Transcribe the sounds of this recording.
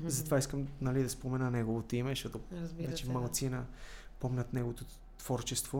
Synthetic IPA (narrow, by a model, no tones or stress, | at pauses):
zɐt̪ovaiskəmnɐlid̪ɐspomɛnənɛɡovot̪oimɛʃɔt̪ozat͡ʃɛmɐlˠt̪sinɐpɔmnət̪nɛɡovot̪o | t̪v̥ɔɾt͡ʃɛst̪vo